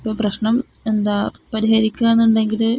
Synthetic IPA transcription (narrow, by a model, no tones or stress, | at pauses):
ipːoːprɐɕɳɐm | e̞nd̪aːpɐɾiɦɐɾikʲːaːenːuɳɖe̞ŋɡil